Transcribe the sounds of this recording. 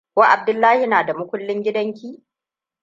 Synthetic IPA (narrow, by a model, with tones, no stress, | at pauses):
kʷa˦ʔa˨b̚dʊ˦lːaː˦hi˨naː˨da˨mʊ˦kʷʊ˦lːɪ˦ŋɡʲɪ˦dɐ˦ŋkʲiː˦